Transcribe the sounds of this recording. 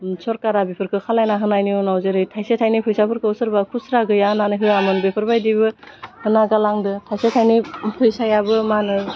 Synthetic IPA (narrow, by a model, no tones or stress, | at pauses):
sɔɾkaɾabepʰɯɾkʰɯkʰalajnaɦɯnajniɔnawzeɾɯjtʰajsetʰajnipʰɯjsapʰɯɾkʰɯwsɯɾbakʰusɾaɡɯjananɯɦɯamɯnbepʰɯɾbajdibɯhɯnaɡalaŋdɯtʰajsetʰajnipʰɯjsajabɯmanɯ